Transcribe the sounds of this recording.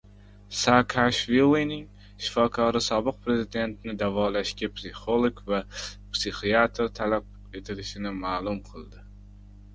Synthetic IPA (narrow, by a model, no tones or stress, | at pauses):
sakʰaʃvilˠːinɪŋ | ʃɪ̥fɒkʰɒɾɪsɒbɨq̚pɾe̞zɪd̪e̞nt̪nɪd̪avɒlaʃkʲapsiχolˠoɡvapsiχiat̪ʰɾt̪ʰalap̚ | e̞t̪ʰɪlɪʃɪnɪmaːlˠʊmqʰɨlˠd̪ɪ